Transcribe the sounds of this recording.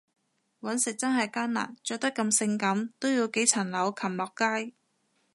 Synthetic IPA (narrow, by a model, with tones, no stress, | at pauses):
wɐ˨˥nsɪ˨k̚t͡sɐ˥nɦɐ˨jkaː˥nna̰ː˨˩nt͡sɔː˨k̚t̪ɐ˥kːɐ˧msɪ˧ŋkɐ˨˥mt̪o˥wjiː˧wke˨˥jt͡sʰɐ˨˩nlɐ˨˧˥wkʰɐ˨˩mlɔː˨kːaː˥j